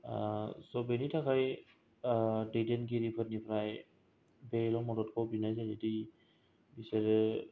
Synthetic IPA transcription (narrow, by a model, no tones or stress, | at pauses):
asɔbenitʰakʰaj | dedenɡiɾipʰɯt̚nipʰɾaj | bɛlɔmɔdɔt̚kʰɔbinajzajzedi | biseɾɯ